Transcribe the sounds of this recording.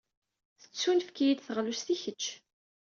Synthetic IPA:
θə̥t͡sːunfkijid̪θəʁlusθiçət͡ʃː

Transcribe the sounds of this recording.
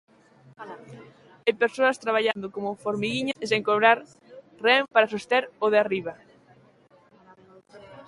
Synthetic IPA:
epeɾsoɐst̪ɾaβ̞aʎand̪okomʊfoɾmiɣiɲaseŋkoβɾaɾ | rempaɾasust̪eɾoðeariβɐ

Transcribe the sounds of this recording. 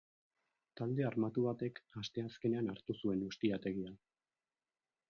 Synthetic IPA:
t̪ald̪e̞aɾmat̪uβat̪e̞kast̪e̞aske̞ne̞anaɾt̪usue̞nust̪iat̪e̞ɣ̞ia

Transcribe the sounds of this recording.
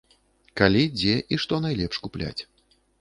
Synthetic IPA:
kalʲid͡zʲɛʔiʂt̪ɔnajlʲɛpʂkuplʲa̰t͡sʲ

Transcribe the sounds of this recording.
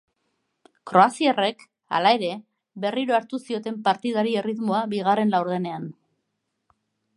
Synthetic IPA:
kɾo̞asiare̞k | a̰lae̞ɾe̞ | βe̞riɾo̞aɾt̪usio̞t̪e̞mpaɾt̪ið̞aɾie̞riðmo̞aβiɣ̞are̞nlawɾð̞e̞ne̞an

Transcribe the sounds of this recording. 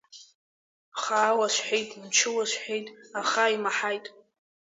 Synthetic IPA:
χaːwaʃʷħejtʼmt͡ʃʰɪwaʃʷħʷᶣejtʼaχaimaħajtʼ

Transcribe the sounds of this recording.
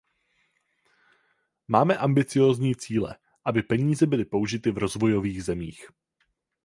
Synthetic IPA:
maːmɛʔambɪt͡sɪjo̞ːzɲiːt͡siːlɛ̰ | ʔabɪpɛɲiːzɛbɪlɪpouʒɪt̪ɪvɾo̞zvo̞jo̞viːɣzɛmiːx

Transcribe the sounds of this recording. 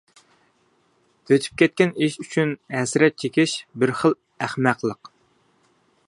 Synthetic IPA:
øt̪ʰy̥p̚kʲʰɛt̪̚kʲɛniʃyt͡ʃʰynɦɛsɾɛt̪̚t͡ʃʰekʲiʃbɪɾχəlˠ | æχmæqlˠəq

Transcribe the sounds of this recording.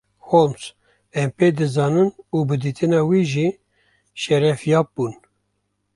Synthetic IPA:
homs | ɛmpeːd̪ɨzɑːnɨnuːbɨd̪iːt̪ʰɨnɑːwiːʒiː | ʃɛɾɛfjɑːp̚buːn

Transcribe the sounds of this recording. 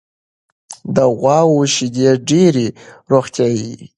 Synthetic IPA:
d̪əɣwɑwoʃid̪eɖeɾiɾoxt̪jɑji

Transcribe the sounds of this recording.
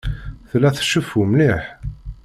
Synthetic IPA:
θlːæθʃufumliħ

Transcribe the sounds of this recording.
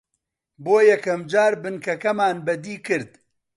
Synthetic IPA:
boːjɛkʰɐmd͡ʒaːɾbɨnkʰɐkɐmaːnbɐd̪iːkɨɾd̪

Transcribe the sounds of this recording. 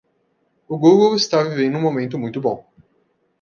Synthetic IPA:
ʊɡuɡowɪst̪avivẽnd̪ʊũmomẽnt̪ʊmũj̃t̪ʊbõw̃

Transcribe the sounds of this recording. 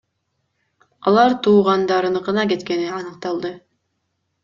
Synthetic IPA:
ɑlˠɑɾt̪ʰuːʁɑnd̪ɑɾɯnɯqɯnɑke̞t̪ke̞niɑnɯq̚t̪ɑlˠd̪ɯ

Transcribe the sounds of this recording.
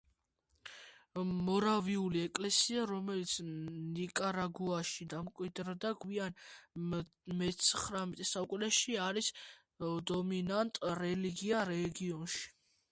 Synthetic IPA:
mɔɾaviuliɛkʼlɛsiaɾɔmɛlit̪sʰnikʼaɾaɡuaʃid̪amkʼwid̪ɾd̪aɡwian | mɛt̪sʰχɾamt̪ʼisakʼlɛʃiaɾis | d̪ɔminant̪ʼɾɛliɡiaɾɛɡiɔnʃi̥

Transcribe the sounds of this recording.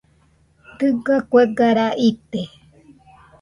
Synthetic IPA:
t̪ɨɡakʷeɡaɾaʔit̪e

